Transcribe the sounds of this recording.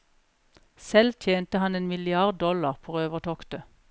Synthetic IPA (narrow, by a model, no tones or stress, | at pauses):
sɛlt̪ʰjeːnt̪əhɑneːnmɪlɪɑʁd̪̚d̪ɔlɑʁpʰoːʁøːʋəʁt̪ʰɔkt̪ə